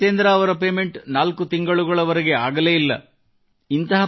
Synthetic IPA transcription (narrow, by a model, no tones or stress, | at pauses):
eːnd̪ɾɐːʋɐɾɐpeːme̞ɳʈnaːlkut̪iŋɡɐɭuɡɐɭɐʋɐɾeɡe̞aːɡɐleːilːɐ | int̪ɐɦɐ